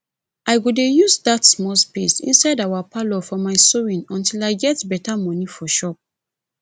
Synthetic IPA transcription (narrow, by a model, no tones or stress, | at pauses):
ʔaɪɡudejuzdatsmɔlspesḭ̃nsaɪdawapʰalɔfɔmaɪsowĩnɔ̃ntilaɪɡɛtbɛtamɔnifɔʃɔp̚